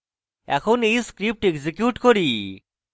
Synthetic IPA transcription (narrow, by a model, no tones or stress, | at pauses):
ɛ̰kʰonejskɾip̚ʈeɡzikjuʈkoɾi